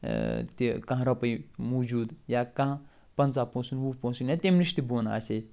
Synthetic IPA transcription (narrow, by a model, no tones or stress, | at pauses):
t̪ikɐ̃ɦɾɐpɐjmud͡ʒuːd̪jakɐ̃ɦã | pɐnt͡saːpõːsunwupõsunjat̪ʲemniʃt̪iboːna̰ːse